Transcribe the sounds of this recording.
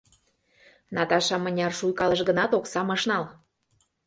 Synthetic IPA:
nɑt̪ɑʃɑmə̆nʲɑrʃujkɑlə̆ʃɡənɑt̪oksɑmɤ̆ʃnɑl

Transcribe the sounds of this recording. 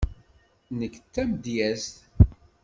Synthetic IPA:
nəkːt͡s̪ːæmd̪jæst̪

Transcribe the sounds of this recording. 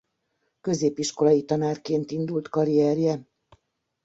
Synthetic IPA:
kø̞zeːpiʃko̞lɒjit̪ɒnaːrkeːnt̪ind̪ult̪kɒɾiɛɾjɛ

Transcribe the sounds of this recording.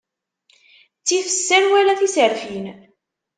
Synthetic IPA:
t͡sːiθəsːænwælæθisəɾfin

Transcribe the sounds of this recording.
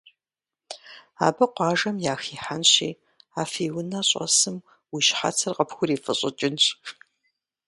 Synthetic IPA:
a̰ːbɐqʷɑːʒɐmjaːxiːħanɕḭː | aːfiːwʊnaɕʼɐ̰sɨm | wiʃħa̰t͡sʰɐrqɐpxʷʊɾiːfɐɕʼɪt͡ʃʼɪnɕʼ

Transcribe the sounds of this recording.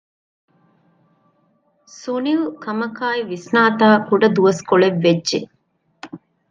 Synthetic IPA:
suniʋukɐmɐkaːiʋisnaːt̪aːkuɖɐd̪uʋɐskoɭeʋːed͡ʒːʒḛ

